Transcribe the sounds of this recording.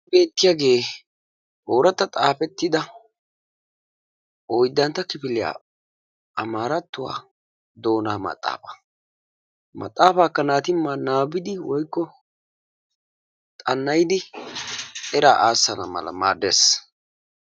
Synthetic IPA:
be̞ːt̪ːɪjaːɡe̞ː | ʔoːɾɐt̪ːɐt̪ʼaːpɛt̪ːɪd̪ɐ | ʔɔjd̪ːɐnt̪ːɐkɪpɪlɪja̰ː | ɐmaːɾɐt̪ːʊwa̰ː | d̪o̞ːnaːmɐ̰t̪ʼːa̰ːfḁ | mɐ̰t̪ʼːaːfaːkːɐnaːt̪ɪmːanaːbɪd̪ɪwɔjkːɔ | t̪ʼɐnːɐjd̪ɪ | ɛɾaːʔaːsːɐnɐ̰mɐ̰lɐ̰maːd̪eːs

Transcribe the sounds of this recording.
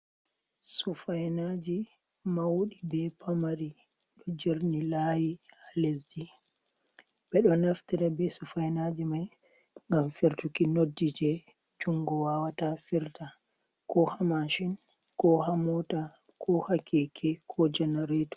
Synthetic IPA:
sufajnad͡ʒi | mawɗibɛpamaɾi | ɗɔd͡ʒeɾnilajihalesd͡ʒi | b̥ɛɗɔnaftiɾabɛsufajnad͡ʒimaj | ŋɡamfiɾtukinodːid͡ʒɛ | d͡ʒuŋɡɔwawatafiɾta | kɔhamaʃin | kɔɦamɔta | kʰɔhakʰːɛkʰɛkʰɔd͡ʒɛnaɾetɔ̥

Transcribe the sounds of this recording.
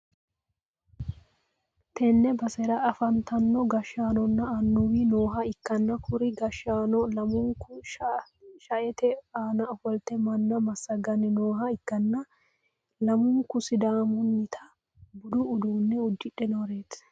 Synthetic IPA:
t̪ʰɛnːɛbɐsɛɾɐɐfɐnt̪ɐnːɔɡɐʃːaːnɔnːɐɐnːuwinoːɦɐɪkːɐnːɐkʰʊɾɪɡɐʃːaːnɔlɐmʊŋkʊ | ʃɐʔɛt̪ɛaːnɐɔfɔlt̪ɛmɐnːɐmɐsɐɡɐnɛnoːɦɐɪkːɐnːɐ | lɐmʊŋkʊsɪd̪aːmʊnːɪt̪ʰɐ | bʊd̪ʊːd̪uːnːɛʊd̪ːɪᶑɛnɔɾe̞ːt̪

